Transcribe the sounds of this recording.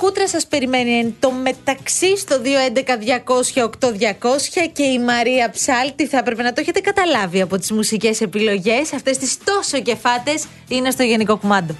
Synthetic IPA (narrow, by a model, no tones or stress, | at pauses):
kut̪ɾɐsɐspe̞ɾime̞nient̪o̞me̞t̪ɐksist̪o̞ðio̞end̪e̞kɐðʝɐko̞sçɐo̞kt̪o̞ðʝɐko̞sçɐce̞imɐɾiɐpsɐlt̪iθɐepɾe̞pe̞nɐt̪oeçe̞t̪e̞kɐt̪ɐlɐviɐpo̞t̪izmusice̞se̞pilo̞ʝe̞sɐft̪e̞st̪ist̪o̞so̞ce̞fɐt̪e̞s | ine̞st̪oʝe̞niko̞kumɐnd̪o̞